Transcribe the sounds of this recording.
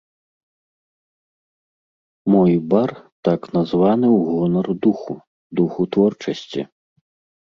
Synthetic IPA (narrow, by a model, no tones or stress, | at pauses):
mɔjbart̪aknazvanɨwɣɔnɐrd̪uxu | d̪uxut̪vɔrt͡ʂɐsʲt͡sʲḭ